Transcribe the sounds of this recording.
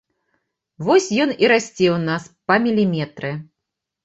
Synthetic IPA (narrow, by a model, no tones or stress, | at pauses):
vɔsʲjɔniɾasʲt͡sʲɛwnaspɐmʲilʲimʲɛt̪ɾɨ